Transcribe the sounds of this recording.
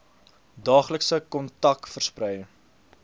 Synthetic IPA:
dɑːχləksəkɔntɐkfərsprɛjə

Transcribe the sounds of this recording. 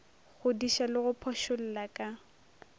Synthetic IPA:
ɣʊdiʃalɪɣʊpʰɔʃʊl̩lakʼa

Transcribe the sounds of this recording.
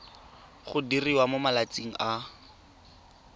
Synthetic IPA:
χʊdiriwamomalat͡siŋ̩a

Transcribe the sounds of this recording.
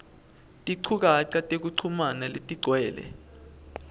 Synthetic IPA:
tʼiǀʰuk̬aǀatʼek̬uǀʰumanaletʼiɡ͡ǀʱwɛːlɛ̰

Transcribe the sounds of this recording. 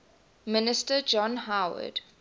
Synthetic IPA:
mɪnɪstəd͡ʒɔ̃nɦawə̰d̥

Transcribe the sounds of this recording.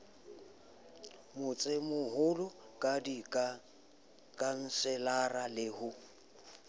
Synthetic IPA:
mʊt͡sʼɪmʊɦʊlʊ | kʼadi | kʼan̩sɛlaralɪhʊ

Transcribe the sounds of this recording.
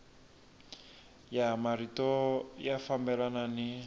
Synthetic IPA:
jamaritɔjafambɛlanani

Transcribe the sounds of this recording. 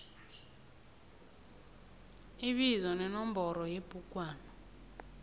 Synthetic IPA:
iɓizɔnɛnɔmbʱɔɾɔjeb̥ʱuk̬ʼwaːnɔ

